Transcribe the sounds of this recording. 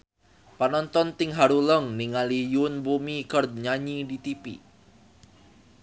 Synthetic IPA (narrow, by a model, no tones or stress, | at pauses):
panɔnt̪ɔnt̪ɪŋɦaɾuləŋniŋalijunbumikərd̪̚ɲaɲidit̪ipḭ